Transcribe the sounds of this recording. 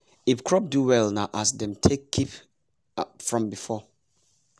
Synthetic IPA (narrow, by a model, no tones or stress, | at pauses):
ifkʰɹɔp̚duwɛlnaʔasdɛ̃mtʰekʰːip | fɹɔ̃mbifɔ